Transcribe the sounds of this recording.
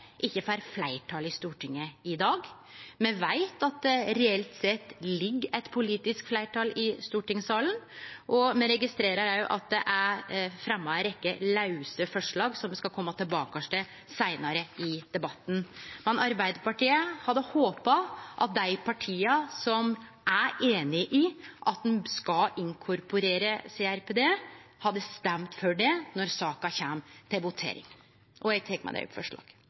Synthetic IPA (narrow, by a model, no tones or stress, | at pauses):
ʔɪçːəfæɾflæɪʈʰɑlɪst̪uːʈʰɪŋːəɪd̪ɑːɡ | mɛʋæɪt̪ɑt̪̚d̪ɛɾɛɛlt̪sɛt̪ːlɪɡːæɪt̪pʰʊliːt̪ɪskflæɪʈɑːlɪst̪uːʈɪŋsɑːlənʔɔmɛɾɛɡɪst̪ɾeːɾəɾæjʊʔɑt̪̚d̪ɛʔæfɾɛmːɑɛɾɛkːəlɑʉsəfɔʂɭɑːɡsɔmd̪ɛskɑkʰɔmːɑt̪ʰɪlbɑːkɑʂʈə | sæɪnɑɾəɪd̪̥ɛbɑt̪ːn̩mɛnʔɑɾbæɪd̪əpɑʈiːəhɑd̪ːəhoːpɑʔɑ̰t̪̚d̪æɪpʰɑʈʰiːɑsɔm | ʔæeːnɪʔɪʔɑt̪̚d̪nskɑɪŋkʰʊɾpʊɾeːɾəseːæɾpʰeːd̪eːhɑd̪ːəst̪ɛmt̪fɔɖɛnɔɾsɑːkɑçɛmt̪ʰɪlbʊt̪ʰḛːɾɪ̰ŋ | ʔɔɛɡt̪ʰɛkːmæ̰ɪd̪ɛ̰ʊ̰pfɔ̰ʂɭɑ̰ːɡ̥